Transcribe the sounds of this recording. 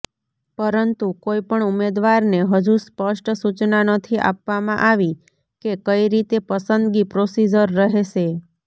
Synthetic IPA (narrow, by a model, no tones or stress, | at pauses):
pəɾənt̪ukoipəɳumed̪ʋaɾneɦəd͡ʒũspəʃʈsut͡ʃnanət̪ʰiʔa̰pʋamã̰ʔaʋi | kekəiɾit̪epəsənd̪ɡipɾosid͡ʒəɾːəɦeʃe